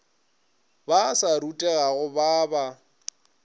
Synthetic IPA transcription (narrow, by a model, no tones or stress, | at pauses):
basaɾutʼɛɣaɣʊbaːba